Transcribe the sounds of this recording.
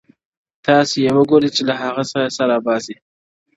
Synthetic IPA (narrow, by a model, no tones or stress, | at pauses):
t̪ɑsejewəɡoɾet͡ʃelaɦaɣasaɾasaɾabɑzi